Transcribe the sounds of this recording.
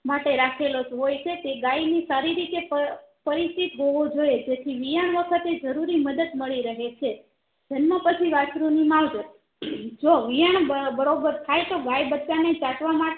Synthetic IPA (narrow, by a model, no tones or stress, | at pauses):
maʈeɾakʰelod͡ʒɦojt͡ʃʰet̪eɡajnisaɾiɾit̪epəpəɾist̪it̪ɦoʋod͡ʒoed͡ʒet̪ʰiʋijaɳ̃ʋəkʰət̪ed͡ʒəɾuɾiməd̪əd̪məɭiɾəɦet͡ʃʰe | d͡ʒənməpət͡ʃʰiʋat͡ʃɾunimaʋd͡ʒə | d͡ʒoʋijaɳbəbəɾobəɾt̪ʰajt̪oɡajbət͡ʃanet͡ʃatʋamaʈe